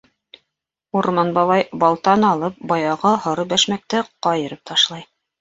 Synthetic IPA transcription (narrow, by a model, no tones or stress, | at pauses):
uɾmɑnbɑlˠɑjbɑlˠt̪ɑnɑlˠɤp̚bɑjɑʁɑhŏɾɤbæʃmæk̚t̪ɘqɑjɤ̆ɾɤp̚t̪ɑʃlˠɑj